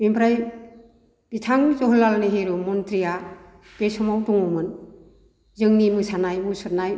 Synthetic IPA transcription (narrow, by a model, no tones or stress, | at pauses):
bimpʰɾaj | b̥itʰaŋzɔɦɔlːalniɦeɾumɔntɾija | b̥esɔmawdɔŋɔmɯn | zɯŋnimɯsanajmɯsɯt̚naj